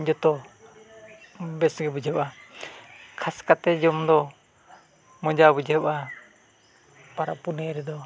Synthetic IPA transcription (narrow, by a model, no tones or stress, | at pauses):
d͡ʒɔt̪ɔ | bɛsɡɛbud͡ʒʱpa | kʰaskat̪ɛd͡ʒɔmd̪ɔ | mɔd͡ʒabud͡ʒɛpa | paɾa̰ʔpunɛɾɛd̪ɔ